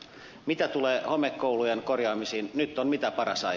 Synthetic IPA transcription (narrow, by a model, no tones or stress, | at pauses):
mit̪æt̪uleːhomekːoulujenkorjɑːmisiːnnyt̪ːonmit̪æpɑɾɑsɑ̰